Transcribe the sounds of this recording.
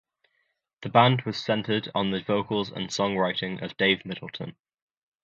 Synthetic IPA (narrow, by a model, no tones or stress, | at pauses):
ðəbãndwɒz̥sɛ̃ntʰədn̩ðəvoʊkəlˠzə̰̃nsɒ̃ŋɹaɪtɪ̃ŋʔə̰vdeɪvmɪtl̩ˠtʰə̰̃n